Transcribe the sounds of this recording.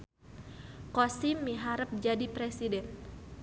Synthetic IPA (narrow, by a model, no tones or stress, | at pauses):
kosimːiɦaɾəp̚d͡ʒadipɾɛsidɛn